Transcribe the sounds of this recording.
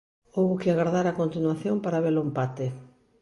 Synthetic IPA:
owβʊkɪaɣaɾðaɾakont̪inwaθjompaɾaβelʊempat̪ɪ

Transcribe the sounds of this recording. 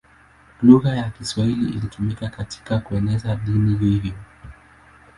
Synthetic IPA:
luɣajakiswahiliilitumikakatʰi̥kakuɛnɛzaɗinihivjɔ

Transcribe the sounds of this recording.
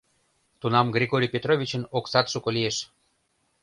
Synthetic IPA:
t̪unɑmɡrʲeɣoɾʲijpʲet̪rovʲit͡ɕə̆noksɑt̪ʃukolieʃ

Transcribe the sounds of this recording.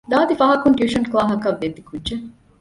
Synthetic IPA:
d̪aːd̪ifɐɦɐkuɳʈjuːʃɐnkulaːɦɐkɐʋːed̪ːikʰudːʒe

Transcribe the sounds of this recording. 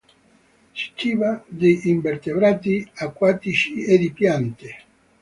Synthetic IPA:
t͡ʃi̥k̪ivad̪ejimbert̪ebɾat̪iakːwat̪it͡ʃied̪ipjant̪i

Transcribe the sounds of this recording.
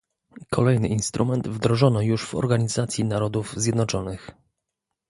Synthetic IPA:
kʰɔlɛjnɘʔinst̪ɾʔumɛnd̪vd̪ɾɔʐɔnɔjuʂv̥ɔ̰ɾɡaɲizat̪sʲjinaɾɔd̪uvzʲjɛd̪nɔt͡ʂɔnɘx

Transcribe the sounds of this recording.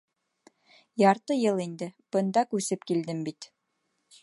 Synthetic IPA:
jɑɾt̪ɤjɤlˠind̪ɘb̥ɤ̆nd̪ɑkʉsɘpkild̪ɘmbit̪

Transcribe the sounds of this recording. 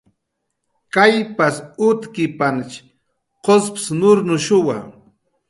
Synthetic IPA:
kajpasʊt̪kɪpant͡ʃ | qospsnʊɾnʊʃʊwa̰

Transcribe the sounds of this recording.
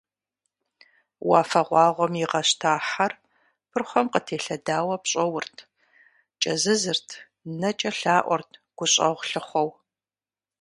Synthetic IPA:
wɑːfɐʁʷɑːʁʷɔmjiʁɐɕtʰaːħar | pʰɨrχʷɔmqətʰeːɬɐdaːwɐpɕʼɔwʊrtʰ | t͡ʃʼɐzɨzɨrtʰ | nɐt͡ʃʼɐɬaːʔʷɔ̰rtʰɡ̥ʷʊɕʼɐ̰ʁʷɬɨχʷɔw

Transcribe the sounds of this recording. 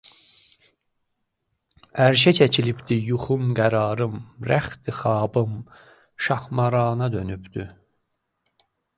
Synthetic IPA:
æɾʃ̬æcʰæcʰilibd̪ijuχumɡæɾɑːɾɯmɾæχt̪ixɑːbɯm | ʃɑhmɑɾɑːnɑd̪ø̞nybd̪̥y

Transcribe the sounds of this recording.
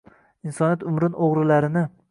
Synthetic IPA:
insɒniat̪ʊmɾɪnʔoʁɾɪlaɾɪnɪ

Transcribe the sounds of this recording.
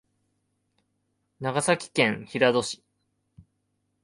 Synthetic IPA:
naɡasakʲi̥kẽ̞ɰ̃çiɾad̪o̞ɕi̥

